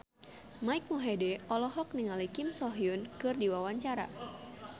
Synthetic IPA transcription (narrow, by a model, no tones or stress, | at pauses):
maik̚muɦedɛɔlɔɦɔk̚niŋalikimsɔɦjunkɨrdiwawaɲt͡ʃaɾa̰